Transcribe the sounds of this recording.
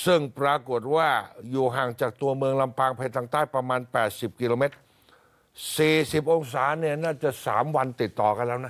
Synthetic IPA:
sɯ˥˩ŋpɾaː˧ko˨˩t̪̚waː˥˩juː˨˩ɦaː˨˩ŋt͡ɕaː˨˩k̚t̪u˧əmɯ˧əŋla˧mpaː˧ŋpʰa˧nt̪ʰaː˧ŋt̪aː˥˩jpɾa˧maː˧npɛː˨˩t̪̚si˨˩p̚ki˧loː˧me˦˥t̪̚ | siː˨˩si˨˩p̚ʔo˧ŋs̬aː˩˦ni˥˩ɐnaː˥˩t͡ɕa˨˩sa̰ː˩˦mwa˧nt̪i˨˩t̪ːɔː˨˩ka˧nlɛː˦˥˩wna˦˥

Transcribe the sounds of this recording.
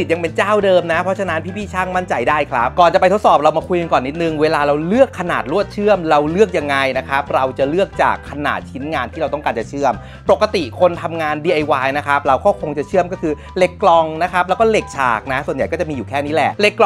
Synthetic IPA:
ja˧ŋpe˧nt͡ɕaː˥˩wdɤː˧mna˦˥pʰɾɔ˦˥t͡ɕʰa˧na˦˥npʰiː˥˩pʰiː˥˩t͡ɕʰaː˥˩ŋma˥˩nt͡ɕa˧jdaː˥˩jkʰɾa˦˥p̚kɔː˨˩nt͡ɕa˨˩pa˧t̪ʰo˦˥t̪̚sɔː˨˩p̚ɾa˧wmaː˧kʰu˧jka˧kɔː˨˩nːi˦˥t̪̚nɯ˨˩ŋweː˧laː˧ɾa˧wlɯ˥˩əkʰːa˧naː˨˩t̪̚ɾu˥˩ət̪̚t͡ɕʰɯ˥˩əmɾa˧wlɯ˥˩ək̚ja˧ŋːa˧jna˦˥kʰɾa˦˥p̚ɾa˧wt͡ɕa˨˩lɯ˥˩ək̚t͡ɕa̰ː˨˩kʰːa˧na̰ː˨˩t̪̚t͡ɕʰi˦˥nŋaː˧nt̪ʰiː˥˩ɾa˧wt̪ɔ˥˩ŋkaː˧nt͡ɕa˨˩t͡ɕʰɯ˥˩əm | po˨˩kːa˧t̪i˨˩kʰo˧nt̪ʰa˧mŋaː˧ndiː˧ʔa˧jwaː˧jna˦˥kʰɾa˦˥p̚ɾa˧wkɔː˥˩kʰo˧ŋt͡ɕa˨˩t͡ɕʰɯ˥˩əmkɔː˥˩kʰɯː˧ | le˦˥˩kːlɔ˧ŋna˦˥kʰɾa˦˥p̚lɛː˦˥wkɔː˥˩le˨˩k̚t͡ɕʰa̰ː˨˩k̚na˦˥su˨˩ənja˨˩jkɔː˥˩t͡ɕa˨˩miː˧juː˨˩kʰɛː˥˩niː˦˥lɛ˨˩ʔle˧˦˩kː

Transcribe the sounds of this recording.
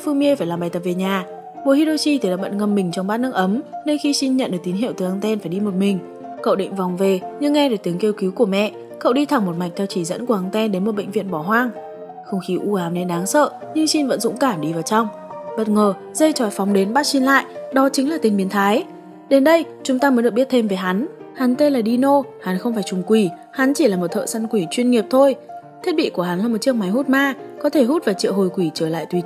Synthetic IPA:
fɨ˧ŋmi˧əfaː˧˩jlaː˨˩mɓaː˨˩jt̪ə˨˩p̚ve˨˩ɲaː˨˩ | ɓṵ˧˨hi˧ɗo˧t͡ɕi˧t̪ʰi˨˩la̰ː˨˩ɓə̰˧˨˩t̚ŋə˨˩mːï˨˩ŋ̟t͡ɕɔ˧ŋ͡mɓaː˦˥t̚nɨ˦˥k̚ʔə˨˦mne˧nxi˧si˧nɲə̰˧˨nɗɨ˨˩ək̚t̪i˨˦nɦḭ˧˨wt̪ɨ˨˩ʔa˧ŋt̪ɛ˧nfaː˧˩jɗi˧mo˨˩t̚mï˨˩ŋ̟ | kə̰˧˨wɗḭ˧˨ŋ̟va˨˩wŋ͡mve˨˩ɲɨ˧ŋːɛ˧ɗeː˧˩t̪i˨˦əŋke˧wki˨˦wku˧˩əmɛ̰˧˨ | kə̰˧˨wɗi˧t̪ʰa˨˩ŋmo˨˩t̚ma˨˩jŋ̟̚t̪ʰɛ˧wt͡ɕi˧˩zə̰˧˥nku˧˩ʔa˧ŋt̪ɛ˧nɗe˨˦nmo˨˩t̚ɓə̰˧˨ŋ̟vḭ˧˨ənɓɔ˧˩ɦwaː˧ŋ | xə˧wŋ͡mxi˨˦ʔu˧ʔaː˨˦mne˨˦nɗaː˨˦ŋsə̰ː˧˨ | ɲɨ˧ŋsi˧nvə̰˧˥nzʊ̰˧˥ŋ͡mkaː˧˩mɗi˧vaː˨˩wt͡ɕa˧wŋ͡m | ɓə˦˥t̚ŋəː˨˩ | zə˧jt͡ɕɔ˧˩jfɔ˨˦wŋ͡mɗe˨˦nɓaː˦˥t̚si˧nla̰ː˧˨jʔɗɔ˨˦t͡ɕï˨˦ŋlaː˨˩t̪ï˨˧ŋ̟ɓi˨˦ənt̪ʰaː˨˦j | ɗe˨˦nɗə˧j | t͡ɕʊ˨˦ŋ͡mt̪aː˧mə˨˦nɨ˨˩kɓi˦˥t̚t̪ʰe˧mve˨˦jɦa˨˦n | ha˨˦nt̪e˧laː˨˩ɗi˧no˧ha˨˦nxə˧wŋ͡mfaː˧˩jt͡ɕʊ˨˩ŋ͡mkwi˧˩ | ha˨˦nt͡ɕi˧˩laː˨˩mo˨˩t̪ʰə̰ː˧˨sa˧nkwi˧˩t͡ɕwi˧ənŋi˨˩əp̚t̪ʰo˧jt̪ʰi˦˥t̚ɓḭ˧˨ku˧˩əɦa˨˦nlaː˨˩mo˨˩t̚t͡ɕi˦˥ək̚ma˨˦jɦu˦˥t̚maː˧kɔ˨˦t̪ʰe˧˩ɦu˦˥t̚v̥aː˨˩wt͡ɕḭ˧˨wɦo˨˩jkwi˧˩t͡ɕəː˧˩la̰ː˧˨jt̪wi˧˦˩

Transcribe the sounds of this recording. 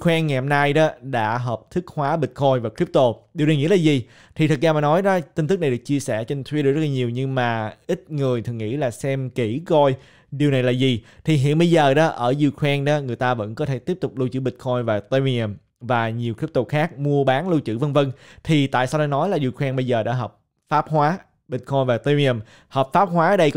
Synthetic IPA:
kʰwɛ˧nŋɛ˨˩m̚naː˧jɗɔ˨˦ɗa̰ː˧˥ɦəː˨˩p̚t̪ʰɨ˦˥k̚hwaː˨˦ɓï˨˩t̟kʰɔ˧jvaː˨˩kɾi˦˥p̚t̪o˧ɗi˨˩wna˨˩jŋḭ˧˥˦laː˨˩zi˨˩ | t̪ʰi˨˩t̪ʰɨ˨˩k̚zaː˧˩maː˨˩nɔ˨˦jɗɔ˨˦t̪i˧nt̪ɨ˦˥k̚n˨˩˨ɨ˨˩k̚t͡ɕi˧əsɛ̰˧˩t͡ɕe˧nt̪ʰwi˦˥ɗ̚zə˦˥laː˨ɲi˨˩əwɲɨ˧ŋmaː˨˩ʔï˦˥t̟̚ŋɨ˨˩əjt̪ʰɨ˨˩ŋḭ˧˥laː˨˩sɛ˧mki˧˩kɔ˧j | ɗi˨˩əwna˨˩jlaː˨˩zi˨˩t̪ʰi˨˩ɦḭ˧˨ənɓə˧jzəː˨˩ɗɔ˨˦ʔəː˧˩zu˧kwɛ˧nɗɔ˨˦ŋɨ˨˩əjt̪aː˧və̰˧˥nkɔ˨˦t̪ʰe˧˩t̪i˦˥əp̚t̪ʊ˨˩k͡p̚lu˧t͡ɕɨ̰˧˥˩ɓï˨˩t̚kʰɔ˧jvaː˨˩t̪e˧wi˧ə˧˩m | vaː˨˩ɲi˨˩əwk̪ʰi˦˥p̚t̪ʊ˨˩k͡p̚xaː˦˥k̚mu˧əɓaː˨˦nlu˧wt͡ɕɨ̰˧˩və˧nvə˧nt̪ʰi˨˩t̪a̰ː˧˨jsaː˧wɗɔː˧˩nɔ˨˦jlaː˨˩zi˧˩kʰwɛ˧nɓə˧jzəː˨˩ɗa̰ː˧˥ɦəː˨˩p̚ | faː˦˥p̚hwaː˨˦ | ɓï˨˩t̚kʰɔ˧jnvaː˨˩t̪e˧wi˧ə˧˩m | həː˨˩p̚faː˦˥p̚ɦwaː˨˦əː˨˧˩ɗə˧jk

